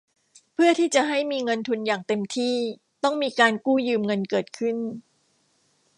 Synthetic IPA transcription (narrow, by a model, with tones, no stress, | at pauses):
pʰɯ˥˩ɐt̪ʰiː˥˩t͡ɕa˨˩ɦa˥˩jmiː˧ŋɤ˧nt̪ʰu˧njaː˨˩ŋt̪e˧mt̪ʰiː˥˩ | t̪ɔ˥˩ŋmiː˧kaː˧nkuː˥˩jɯː˧mŋɤ˧nkɤː˨˩t̪̚kʰɯ˥˩n